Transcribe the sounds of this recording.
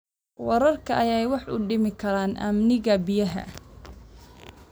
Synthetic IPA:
wɐɾɐrkʰɐʔɐjɛjwɑħʔʊ̰ɖɪmɪkʰɐɾaːnʔɐ̰mnɪɣɐbɪjɐɦɐ̰

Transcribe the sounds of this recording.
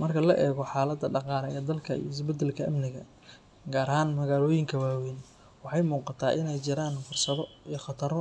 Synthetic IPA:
mɐrkʰɐlɐʔɛːɣɔħɑːlɐd̪ːɐɖɑqɑːlɛɛːd̪ɐlkʰɐḭjɪs̬bɐd̪ɛlkʰɐʔɐmnɪɣɐ | ɡaːɾɐɦaːnmɐɣaːlɔːjɪŋkʰɐwaːwin | wɑħɑjmuːqɑt̪ʰaːʔɪnɛjt͡ʃɪɾaːnfʊrsɐðɔijχɑt̪ʰɐɾɔ

